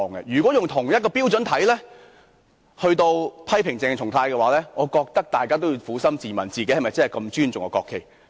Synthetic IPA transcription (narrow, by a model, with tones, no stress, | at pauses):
ŋɡɛ̰˧jyː˨˩kʷwɔ˨˥jʊ˨ŋt̪ʰʊ˨˩ŋjɐ˥t̚kɔː˧piː˥wt͡sɵ˨˥nt̪ʰɐ˨˥jlɛː˥ | hɵ˧ɥt̪o˧wpʰɐ˥jpʰɪ˨˩ŋt͡sɛː˧ŋt͡ʃʰʊ˨˩ŋt̪ʰaː˧jkɛ˧waː˨˥lɛː˥ŋɔː˨˧kɔː˧k̚t̪ɐ˥k̚t̪aː˨˩jkaː˥t̪o˥wjiː˧wfuː˨˥sɐ˥mt͡siː˨˩mɐ˨˩nt͡siː˨ke˨˦jhɐ˨˩jmɐ˨˩jt͡sɐ˥hɐ˨˩jkɐ˧mt͡ʃyː˥nt͡sʊ˨ŋɔ̰ː˨˧kɔː˧kʰːe˨˩j